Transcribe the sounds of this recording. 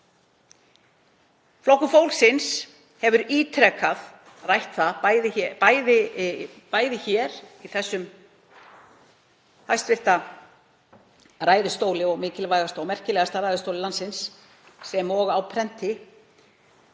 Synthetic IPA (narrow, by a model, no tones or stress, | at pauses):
flowhkʏfoːwlsɪns | hɛvʏɾiːt̪ʰɾɛkað | rajht̪θaðajðɪpajðɪ | paːjðɪçɛːɾiθɛsːʏm | hajst̪vɪr̥t̪a | raːjðɪst̪oːwlɪɔɣmɪːcɪlvajɣast̪aːwmɛr̥cɪlɛːɣast̪aɾajðɪst̪owlɪlansɪnsː | ɛmɔɣawpʰɾɛn̥t̪ɪ